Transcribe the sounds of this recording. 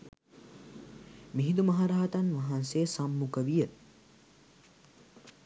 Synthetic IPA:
miɦid̪umɐɦaɾaːt̪anʋɐɦansejːsamːukəʋijə

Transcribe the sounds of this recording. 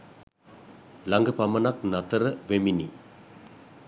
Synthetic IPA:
lɐŋɡəpɐmɐnɐknɐt̪ɐɾəʋemini

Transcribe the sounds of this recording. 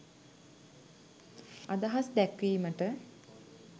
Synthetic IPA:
ad̪aɦasd̪ækʋiːməʈə

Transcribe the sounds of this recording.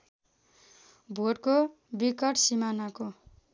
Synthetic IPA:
bʱoɽko | bikʌʈsimanako

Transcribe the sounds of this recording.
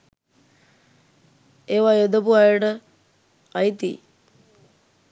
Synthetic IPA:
eːʋajod̪əpuajəʈə | ait̪ḭː

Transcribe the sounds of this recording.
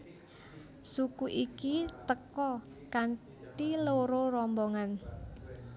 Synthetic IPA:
sukuʔikit̪əkɔ | kan | ʈiloɾoɾɔmbɔŋan

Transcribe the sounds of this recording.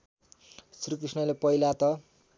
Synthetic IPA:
srikrisnʌlepʌilat̪ʌ

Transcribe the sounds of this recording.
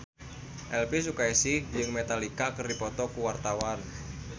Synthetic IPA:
ʔɛlpis̬ukaisid͡ʒɨŋmet̪alikakərdipɔt̪ɔkuwart̪awan

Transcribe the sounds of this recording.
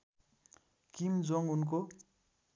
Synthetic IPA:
kimd͡zoŋunko

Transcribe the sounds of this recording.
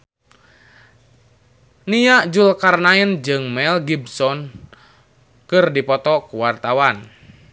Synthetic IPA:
nijaʔd͡ʒulkarnaind͡ʒɨŋmɛlɡibsɔn | kɨrdipɔt̪ɔkuwart̪awan

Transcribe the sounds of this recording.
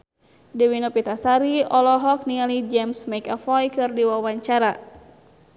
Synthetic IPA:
diwinopit̪asaɾiɔlɔɦɔk̚niŋalid͡ʒɛmsmajkafɔjkɨrdiwawaɲt͡ʃaɾa

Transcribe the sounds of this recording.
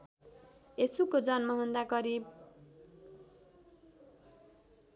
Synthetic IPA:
esukod͡zʌnmʌɦʌnd̪akʌɾib̚

